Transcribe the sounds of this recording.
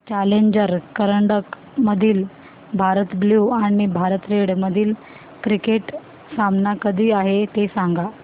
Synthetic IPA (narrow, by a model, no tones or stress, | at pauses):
t͡ɕaleɲd͡ʑəɾkəɾəɳɖək | məd̪ʱiːl | bʱaɾət̪bljuaɽ̃ibʱaɾət̪ɾeɽməd̪ʱiːl | kɾikeʈ | samnakəd̪ʱiːaɦet̪esaŋɡa